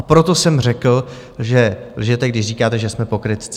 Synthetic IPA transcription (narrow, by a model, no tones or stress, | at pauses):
apɾot̪o̞sɛmr̝ɛkl̩ | ʒɛlʒɛt̪ɛɡdɪʃriːkaːt̪ɛʒɛsmɛpo̞kɾɪt̪